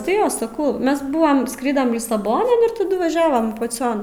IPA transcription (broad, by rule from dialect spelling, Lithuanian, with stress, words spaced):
tɐɪ ˈjoː sɐˈkɐʊ ˈmʲɛs ˈbʊʋɐm ˈskrʲɪdɐm lʲɪsɐˈboːnɐn ɪr tɐˈdʊ ʋɐˈʒʲæːʋoːm pɐˈt͡sʲoːn